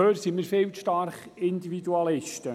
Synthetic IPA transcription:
øːɾsimiɾfɪlʃtɑɾχ | ɪndividuɑlɪʃtə

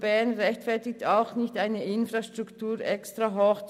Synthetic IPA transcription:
b̥ɛɐnʁɛçtfɛɐtɪk̚taʊxnɪçtaɪnəʔɪnfraʃtʁ̥uktuːɾɛkstʁaɦɔx

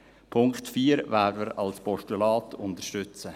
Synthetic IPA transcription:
pʰʊŋktfiːəɾvæːdəməɾɑlspɔʃtulɑːtʰʊnt̪əɾʃtʏt͡sə

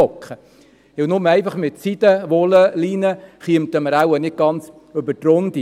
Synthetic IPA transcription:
ɔkχə | ɪnʊmɛɪfɑχmɪtsid̪əʋɔləliːnəχiəmt̪əməɾæwənɪt̚ɡ̥ɑnt͡s | øbətrʊnd̥̪i

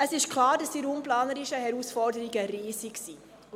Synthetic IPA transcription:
əsɪʃkʰlɑːɾdɑsiɾuːmplɑːnəɾiʃəhɛɾusfɔrdəɾiɡəɾiːsiksiː

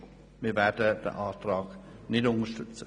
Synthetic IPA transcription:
mɪːvɛdəd̥ə̰ʔaːtrɑːɡnɪdʊŋəʃtʏt͡sə

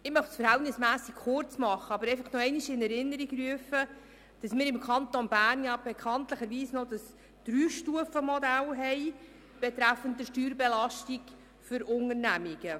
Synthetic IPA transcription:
ɪmœχsfəɾɦhɛltnɪsmæːsikχʊrt͡smɑχːəɑbəɾɛɪfɑχnoɛɪniʃɪnɛɾɪnːəɾiɡryəfə | d̥ɑsmɪːɾɪmkχɑnt̪onb̥æːrnjɑb̥ɛkʰɑntləχəɾʋiːsnod̥ɑs | d̥ɾyːʃtuəfəmɔdælɦɛj | b̥ɛt̪ɾæfəntdəʃtyːɾbɛlɑʃtik | fʏɾʊŋəɾnæmiɡ̥ə

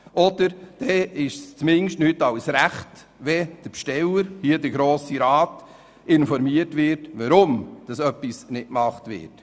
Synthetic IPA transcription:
ʔɔd̥əɾd̥ɛɪʃst͡smɪnʃtnytɑwsɾæχt | ʋɛd̥əɾpʃtɛləɾhiədəɾɡɾoːsiɾɑːt | ɪnfɔɾmiətʋɪɾtʋɑɾʊmd̥ɑsœpːisnɪtmɑχtʋɪ̰ːt

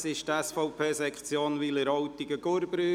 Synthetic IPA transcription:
sɪʃt̪æsfɔʊpʰeːsɛkχt͡sjoːnʋiləɾɔwt̪iɡəɡ̥ʊɾbɾyː

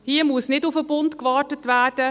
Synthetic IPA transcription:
hiəmuəsnɪdʊfəbʊntkvɑːɹtətvæːd̥ə

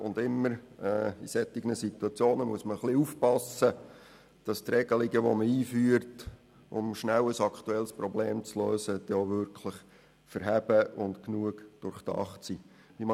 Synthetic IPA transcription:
ʊndɪmːəɾːisɛt̪ːɪɡnəsit̪uɑt͡sjoːnəmuəsməχliufpɑsə | d̥ɑstrɛɡəliɡəʋo̰məiːfyːəɾt | ʊ̰mʃnæwəsɑkʰtuɛlsprɔbleːmt͡sløːsəd̥ɛoʋʏɾkʰləχ | fəɾɦæb̥əʊntknuəkd̥ʊɾχtɑ̰χtsiː | ʋim

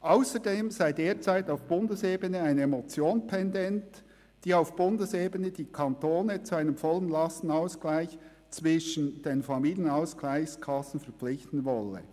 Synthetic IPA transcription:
ʔaʊsədeːmzaɪdeːt͡saɪtaʊfb̥ʊndəseːbənəaɪnəemot͡sjoːnpʰɛndɛnt | d̥iːaʊfb̥ʊndəseːbənəd̥iːkʰɑnt̪oːnət͡suaɪnəmfɔlənlɑstn̩ɑʊsklaɪç | t͡svɪʃən̩d̥eːnfɑmiːljənaʊsklaɪçskʰɑsn̩fɛʁp͡flɪçtn̩vɔlːə̰

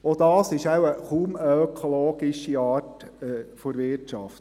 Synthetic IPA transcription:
od̪ɑːsɪʃæwəχuːməøkʰoloːɡ̥ɪʃiɑːtːfoɾʋɪɾtʃɑ̰ft̪

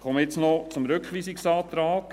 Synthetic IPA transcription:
χɔməjɪt͡snɔt͡sʊmɾʏkχʋiːsɪksɑːt̪ɾaːk

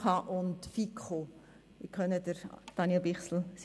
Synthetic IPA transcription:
ɑʔʊntfikχo | ɪkχœnədəɾd̥ɑnjɛlbɪχsl̩s

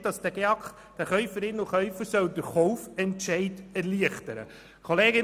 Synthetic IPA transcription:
d̥ɑsd̥̪æɡ̥eɑkχ | d̥æχœʏfəɾɪnːʊχœʏfəɾsœwd̪əɾχɔʊfɛntʃɛɪtɛɾliəχtəɾə̰ | kʰoleːɡɪ

